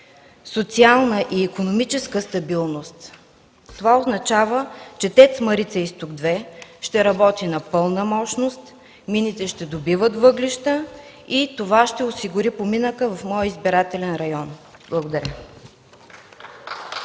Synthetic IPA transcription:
sot̪sialˠnəʔiːkonomit͡ʃɛskəst̪ɐbilˠnost̪ | t̪ːovaoznɐt͡ʃavət͡ʃɛt̪ɛt̪sməɾit̪sɛist̪ʊɡd̪vɛʃt̪ɛɾɐbɔt̪inɐpɤlˠnəmɔʃnost̪ | minit̪ɛʃt̪ɛd̪obivət̪vɤɡliʃt̪ə | it̪ovaʃt̪ɛosiɡʊɾipominəkəvɐfmɔjəizbiɾat̪ɛlɛnɾɐjɔnblˠəɡod̪ɐɾʲə

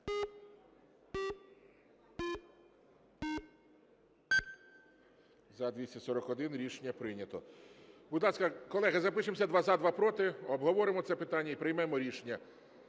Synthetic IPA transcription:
zɐd̪ʋʲisʲɐsɔɾɔkɔd̪ɪnɾʲiʃenʲːɐpɾɪnʲɐt̪ɔbud̪lˠɑskɐkɔlˠɛɦɐzɐpɪʃemɔsʲɐd̪ʋɑzad̪ʋɑpɾɔt̪ɪɔbɦɔʋɔɾɪmɔt̪sɛpɪt̪ɑnʲːɐipɾɪjmɛmɔɾʲiʃenʲːɐ

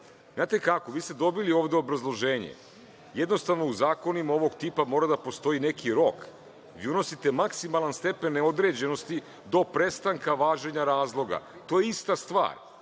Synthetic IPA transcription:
znaːt̪ekako̞ʋiːst̪e̞d̪obilio̞ːʋd̪eo̞bɾazlˠo̞ʒe̞ːɲḛ | jed̪no̞st̪aʋno̞uzaːko̞nimaoʋo̞ɡt̪iːpamo̞ːɾad̪apo̞st̪o̞ine̞kʰiɾo̞k | ʋiuno̞sit̪e̞maksimalˠanst̪e̞penːeo̞d̪ɾe̞d͡ʑe̞no̞st̪i | d̪o̞pɾe̞st̪aŋkaʋaːʒe̞ɲaɾaːzlˠo̞ɡa̰t̪o̞jeist̪ast̪ʋa̰ːɾ

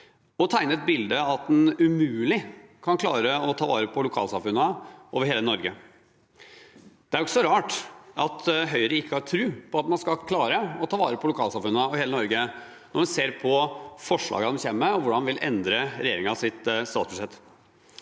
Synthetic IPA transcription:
ɔt̪ʰæɪnəɛt̪̚bɪld̪əɑt̪̚d̪ɛnʉmʉːlɪkʰɑnkʰlɑːɾəɔt̪ʰɑːʋɑ̰ːɾəpʰɔlʊkʰɑ̰ːlsɑmfʉnːəʔoːʋəɾheːlənɔɾɡə | d̪̥ɛæɾɔkːsɔɾɑːʈɑt̪ɦœʏɾəɪkːəɑt̪ʰɾʉːpʰɔɑt̪mɑnskɑlkʰlɑːɾəɔt̪ʰɑːʋɑːɾəpʰɔlʊkʰɑːlsɑmfʉnːəɔheːlənɔɾɡə | nɔɾmʉnseːɾpʰɔfɔʂɭɑ̰ːɡəɑd̪ɛmçɛmːəɔʋʊɖɑnʋɪlɛ̰nd̪ɾəɾɛjeːɾɪŋɑsɪt̪st̪ɑːt̪sbʉʂɛt̪ː

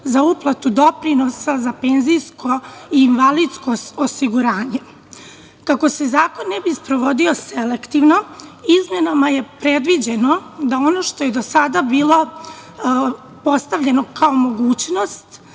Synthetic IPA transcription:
zauplˠat̪ud̪o̞pɾino̞sazape̞ːnzijskʰo̞iːnʋalid̪skoosiɡuɾaːɲe̞ | kako̞sezaːko̞nːebispɾo̞ʋo̞d̪io̞selekt̪iʋno̞izme̞namaje̞pɾe̞d̪ʋid͡ʑe̞no̞d̪ao̞no̞ʃt̪o̞je̞d̪o̞sad̪abiːlˠo̞ | po̞st̪aʋʎe̞no̞kaomo̞ɡuːt͡ɕno̞st̪

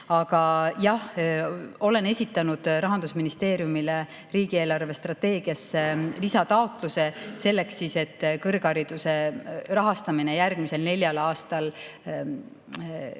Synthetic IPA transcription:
ɑɡ̥ɑjɑh | o̞le̞ne̞sʲit̪ːˑɑnud̪̥rɑɦɑnd̪̥usminist̪e̞ːɾijumile | riːɡ̥ieːlɑrve̞st̪rɑt̪ːe̞ːɡ̥iɑsːelisɑt̪ɑo̞t̪ˑluse̞se̞lːe̞ksise̞t̪ːkɤrɡ̥ɑɾid̪̥use̞rɑɦɑst̪ɑminejærɡ̥mise̞lne̞lʲjɑlɑːst̪ɑl

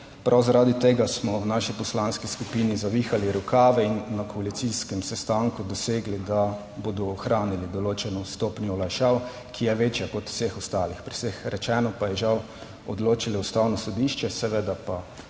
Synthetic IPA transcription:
pɾʔawzaɾaːd̪it̪eːɡasmɔwnaːʃipɔslanskiskupinizaʋixaliɾukaːʋɛinːakʰɔalit̪siskɛmsɛst̪aŋkud̪ɔseːɡlid̪a | boːd̪ɔːxɾaːnilid̪ɔloːt͡ʃɛnɔst̪oːpnjɔɔlajʃaw | kʰijɛʋeːt͡ʃjakɔt̪w̥sexɔst̪aːlixpɾisexɾɛt͡ʃɛːnɔpajɛʒaw | ɔd̪loːt͡ʃilɔust̪aːwnɔsɔd̪iːʃt͡ʃɛsɛʋeːd̪apa

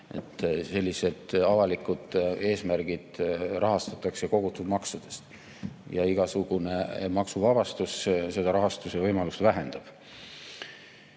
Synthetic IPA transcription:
e̞̰t̪ːˑse̞lʲːise̞d̪̥ɑvɑlikːˑud̪̥e̞ːsmærɡ̥id̪̥rɑɦɑst̪ɑt̪ːˑɑkseko̞ɡ̥ut̪ːˑud̥̪mɑksud̪̥e̞st̪ | jɑiɡ̥ɑsuɡ̥une̞mɑksuvɑb̥ɑst̪usse̞d̪̥ɑɾɑɦɑst̪usevɤjmɑlust̪væɦe̞nd̪̥ɑb̥

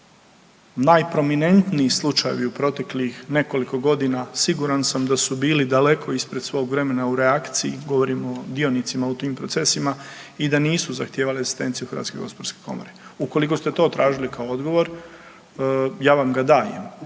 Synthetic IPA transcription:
najpɾo̞mine̞nt̪niislˠut͡ʃajḛʋiupɾo̞t̪e̞klixne̞ko̞liko̞ɡo̞d̪inasiɡuɾansamd̪asubiːlid̪ale̞kʰo̞ispɾe̞d̪sʋo̞ːɡʋɾe̞me̞nauɾe̞akt̪siiɡo̞ʋo̞ɾimo̞d̪io̞nit̪simaut̪iːmpɾo̞t̪se̞simaid̪aniːsuzaxt̪jeːʋalieɡzi̥st̪e̞nt̪sijuxəɾʋa̰t̪skeɡospoɾske̥ko̞̰moɾeuko̞liko̞st̪e̞t̪o̞ːt̪ɾʔaːʒilikao̞o̞d̪ɡo̞ʋo̞ɾ | jaːʋamɡad̪aːjḛm

